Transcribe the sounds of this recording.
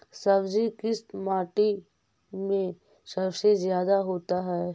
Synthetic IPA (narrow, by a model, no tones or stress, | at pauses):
sɐbd͡ʒikɪst̪maːʈi | mẽ | sɐbsezjaːd̪aɦoːt̪aɦɛː